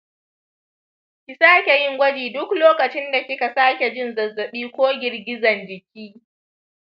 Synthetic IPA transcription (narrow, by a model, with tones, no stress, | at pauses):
kʲɪ˨saː˦kʲe˨jɪ˦ŋɡʷɐ˦d͡ʒiː˨dʊ˦kloː˦kɐ˨t͡ʃɪ˦nda˨kʲɪ˦ka˨saː˦kʲe˨d͡ʒɪ˦nzɐ˨zːɐ˨ɓiː˦kʷoː˦ɡʲɪ˨rɡʲɪ˦zɐ˨nd͡ʒɪ˨kʲiː˦